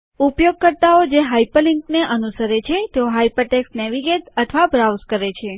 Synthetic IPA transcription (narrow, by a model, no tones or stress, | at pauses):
upjoɡ̚kəɾt̪aod͡ʒeɦaipəliŋkneʔənusəɾet͡ʃʰet̪eoɦaipəʈeksnɛʋiɡeʈət̪ʰʋabɾawzkəɾet͡ʃʰe